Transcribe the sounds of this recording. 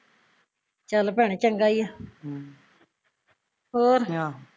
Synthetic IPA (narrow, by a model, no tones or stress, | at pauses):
t͡ʃəlpɛɳ̃et͡ʃəŋɡaːija | ɦoːɾ